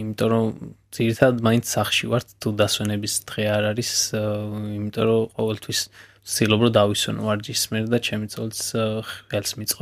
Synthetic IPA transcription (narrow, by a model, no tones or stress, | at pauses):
imit̪ʼɔɾɔdd̪z̥iɾit̪ʰad̪ad̪mainsʰsaχʃivaɾt̪ʰt̪ʰːud̪aswɛnɛbisd̪̥ʁɛaɾaɾis | imit̪ʼɔɾɔqʼɔvɛlt̪ʰwis | sʰilˠɔbɾɔd̪aviswɛ̰nvaɾd͡ʒismɛɾd̪at͡ʃʰɛmit̪sʼɔlisɛlsmit̪sʼqʼɔ